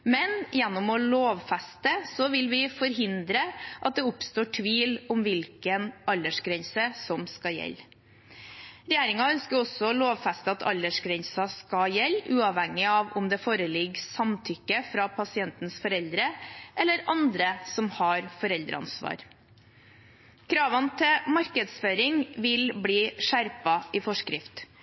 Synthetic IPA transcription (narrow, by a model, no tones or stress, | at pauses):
mɛnjɛnːʊmɔloːʋfæst̪əsɔʋɪlʋɪfɔɾɦɪnd̪ɾəʔɑt̪̚d̪ɛʊpst̪oːʈʰʋiːlʊmʋɪlkənʔɑlːəʂɡɾɛnsəsɔmskɑjɛ̰lː | ɾɛjæːɾɪŋɑœnskəɾɔsːɔɔloːʋfæst̪əɑt̪ʰɑ̰lːəʂɡɾɛnsɑskɑjɛlːʉːɑʋhɛŋːɪɑʋʊ̰md̪ɛfoːɾəlɪɡsɑmt̪ʰʏkːəfɾɑpʰɑsɪɛnt̪nsfɔɾɛld̪ɾəʔɛlːəɾɑnd̪ɾəsɔmhɑɾfɔɾɛld̪ɾə̰ɑ̰nsʋɑ̰ːɾ | kʰɾɑːʋənt̪ʰɪmɑɾkəd̪sføːɾɪŋʋɪlbliːʂæɾpɑʔɪfɔʂkɾɪft̪